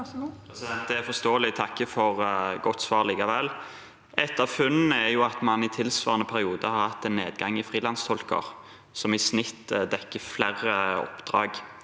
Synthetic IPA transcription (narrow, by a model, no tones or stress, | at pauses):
pʰɾɛsɪd̪ɛnt̪̚d̪ɛæɾfɔst̪oːəlɪt̪ʰɑkːəfɔʁɡɔt̪sʋɑːʁliːkɑʋɛlː | ɛt̪ɑʋfʉnɛɾjʊɑt̪mɑnɪt̪ʰɪlsʋɑ̰ːʁənəpʰæɾɪuːd̪əhɑɾhɑt̪ːɛnːeːd̪ɡɑŋɪfʁiːlɑnst̪ʰɔlkə̰ʁ | sɔmɪsnɪt̪ːd̪ɛkːəflæʁəɔ̰pd̪̥ɾɑ̰ːɡ